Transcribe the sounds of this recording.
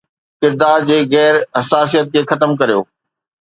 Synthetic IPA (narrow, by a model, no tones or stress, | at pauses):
kɪɾd̪aːɾd͡ʑeːɣɛːɾɦɐsaːs̬ijət̪̚kʰeːxɐt̪əmk̬ɐɾijo̰ː